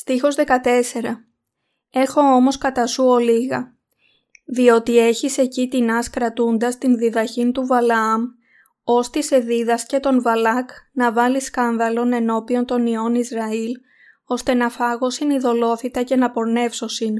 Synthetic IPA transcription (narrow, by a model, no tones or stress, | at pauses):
st̪ixo̞zðe̞kɐt̪e̞se̞ɾɐ | e̞xo̞o̞mo̞skɐt̪ɐsuo̞liɣɐ | ðio̞t̪ie̞çise̞cit̪inɐskɾɐt̪und̪ɐst̪inðiðɐçint̪uvɐlɐɐm | o̞st̪ise̞ðiðɐsce̞t̪o̞nvɐlɐknɐvɐliskɐnðɐlo̞ne̞no̞pio̞nt̪o̞nio̞nizɾɐil | o̞st̪enɐfɐɣo̞siniðo̞lo̞θit̪ɐce̞nɐpo̞ɾne̞fso̞sin